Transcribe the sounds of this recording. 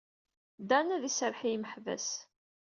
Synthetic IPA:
d̪ænæðisəɾħijməħvæ̰s

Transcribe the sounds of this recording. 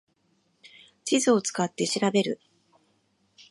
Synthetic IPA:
t͡ɕizɨo̞t͡sɨ̥kat̪ːe̞ɕiɾabe̞ɾɯ̟̰

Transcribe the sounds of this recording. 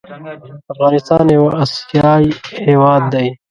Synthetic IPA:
ɐfɣɑːnɪst̪ɑːnewaʔɐsjaːiheːwaːd̪̚ːaj

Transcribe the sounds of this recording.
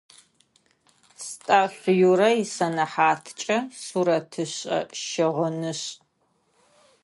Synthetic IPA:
stʼaːɕjuɾɐjɪsɐnɐħaːtʰt͡ʃʼɐsuɾɐtʰɨɕʼɐ̰ʃɪʁʊnɨɕ

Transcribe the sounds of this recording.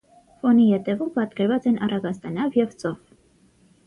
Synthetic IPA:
fɔnihɛt̪ɛvumpɑt̪kɛɾvɑt͡sɛnʔɑrɑɡɑst̪ɑnɑvjɛvt͡sɔv

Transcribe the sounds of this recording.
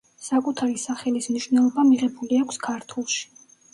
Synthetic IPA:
sakʼut̪ʰaɾisaχɛlismniʃvnɛlˠɔbamiʁɛbuliakʰskʰaɾt̪ʰulˠʃi̥

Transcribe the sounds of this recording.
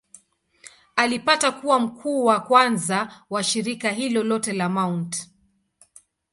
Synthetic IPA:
alipatakuwam̩kʰuːwakwanzawaʃiɾikaɦilɔlɔtɛlamawnt

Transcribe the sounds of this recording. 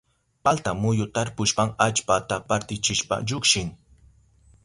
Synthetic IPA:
palt̪amʊjʊt̪aɾpʊʃpɑŋat͡ʃpat̪apaɾt̪ɪt͡ʃɪʃpa̰ʎʊkʃɪŋ

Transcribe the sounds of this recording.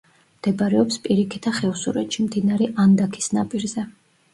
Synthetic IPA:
mmd̪̥ɛbɾɛɔpspʼiɾikʰit̪ʰaχɛvusuɾɛt̪ʃimd̪inaɾɛʔand̪akʰi̥sna̰pʼiɾzɛ

